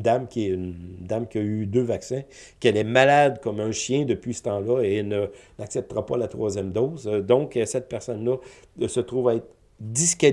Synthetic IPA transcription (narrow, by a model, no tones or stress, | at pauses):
d̪amkʲiɛynd̪amkʲiayd̪øːvaksɛ̃ | kɛlɛmalad̪kɔmɛ̃ʃjɛ̃d̪əpɥisə̥t̪ɑ̃lʌenənaksɛp̚t̪əʁapalat̪ʁwaːzjɛmd̪ɔzd̪ɔ̃ksɛt̪̚pɛʁsɔnlʌsət̪ʁuvaɛt̪ʁ | d̪iskɛ